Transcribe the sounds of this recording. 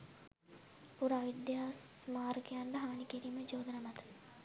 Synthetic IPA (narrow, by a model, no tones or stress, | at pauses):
puɾaʋid̪jaːsːmaːɾɡejaɳɖəɦaːnikiɾiːməd͡ʒoːd̪ənamɐt̪ə̥